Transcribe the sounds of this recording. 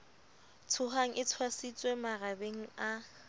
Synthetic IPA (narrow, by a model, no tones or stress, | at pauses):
tʰʊɦaŋ̩ʔɪt͡sʰwasit͡sʼwemarabeŋ̩a